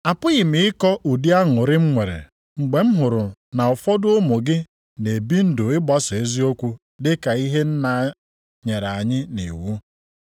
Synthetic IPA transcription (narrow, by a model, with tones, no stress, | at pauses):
a˨pʊ˦ɣɪ˨mɪ˨ɪ˦kɔ˦ʔu˨di˦a˦ŋʊ˨ɾɪ˦ŋ͡m̩˦ŋʷe˨ɾḛ˨ | ŋ͡m̩˨ɡ͡be˨m̩˦ɦʊ˨ɾʊ˨na˨ʊ˨fɔ˦dʊ˦ʊ˦mʊ˨ɡɪ˦ | ne˨bi˦n̩˦dʊ˨ɪ˦bɔ˦se˦zi˦o˦kʷu˦ | dɪ˦ka˨i˦ɦe˦n̩˦na˨ | ɲe˨ɾa˨ɲɪ˦nḭ˨wu˦